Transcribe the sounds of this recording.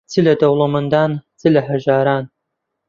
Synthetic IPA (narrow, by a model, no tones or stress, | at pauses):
t͡sʰɨlɐd̪ɐwlˠɐmɐnd̪aːnt͡sʰɨlɐħɐʒaːɾaːn